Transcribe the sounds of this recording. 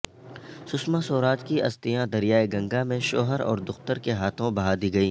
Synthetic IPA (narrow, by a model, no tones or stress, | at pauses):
sʊsmãsoːɾaːt̪kiɐst̪ɪjãd̪ɐɾijaːeɡɐ̃ŋɡamẽʃoːɦəɾɔ̰ːɾd̪ʊxt̪əɾkeɦaːt̪ʰõbɐɦaːd̪iːɡɐiː